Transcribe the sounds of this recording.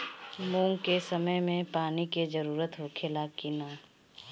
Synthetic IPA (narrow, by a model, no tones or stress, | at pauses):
mũːŋkesəməjmẽpaːniked͡ʒəɾuːɾət̪ɦoːkʰelakinaː